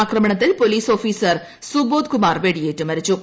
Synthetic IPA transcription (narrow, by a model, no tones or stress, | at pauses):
aːkɾɐmɐɳɐt̪ːɪlpoliːsoːfiːsɐɾ | suboːd̪kʊmaːɾʋeɽijeːʈːɨmɐɾit͡ɕːu